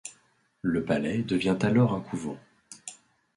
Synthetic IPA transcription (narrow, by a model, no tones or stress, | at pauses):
ləpalɛd̪əvjɛ̃t̪alɔʁɛ̃kʰuvɑ̰̃